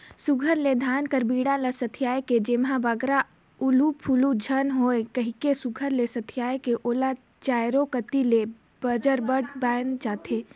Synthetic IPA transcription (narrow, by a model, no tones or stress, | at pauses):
sʊɡʱəɾled̪ʱaːnkəɾbiːɽaləsɐt̪ʰijaːeked͡ʒemɦãbəɡɾa | ʊlupʰulud͡ʒʱənɦoːekɐɦikesʊɡʱəɾlesɐt̪ʰijaːjkeʔoːla | t͡ʃaːjɾõkət̪ile | b̥əd͡ʒəɾbəʈbɛːnt͡ʃaːt̪ʰeː